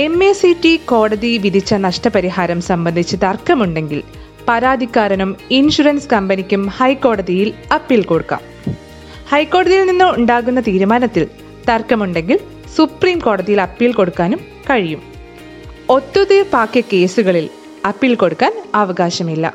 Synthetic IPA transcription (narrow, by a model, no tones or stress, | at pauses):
e̞mesiʈːiko̞ːɽɐðiʋid̪ʱit͡ɕːɐnɐʂʈɐpɐɾiɦaːɾɐmsɐmbɐnd̪ʱit͡ɕːɨt̪ɐrkːɐmuɳɖe̞ŋɡil | pɐɾaːd̪ʱikːaːɾɐnuminɕuɾɐnskɐmbɐnikʲːumhɐjkːo̞ːɽɐðijilɐpːilko̞ɽukːa̰ːm | hɐjkːo̞ːɽɐðijilninːɨuɳɖaːɣunːɐt̪iːɾumaːnɐt̪ːil | t̪ɐrkːɐmuɳɖe̞ŋɡil | supriːmko̞ːɽɐðijilɐpːilko̞ɽukːaːnum | kɐɻijum | o̞t̪ːuðɨbaːkjɐke̞ːsuɣɐɭil | ɐpːilko̞ɽukːaːnɐʋɐɡaːɕɐmilːɐ̰